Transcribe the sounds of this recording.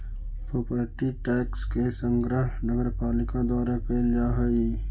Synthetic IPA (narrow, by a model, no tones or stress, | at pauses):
pʰopɾəʈiʈɛːkskesə̃ŋɡɾəɦnəɡəɾpaːlɪkad̪waːɾapeːld͡ʒaːɦɛi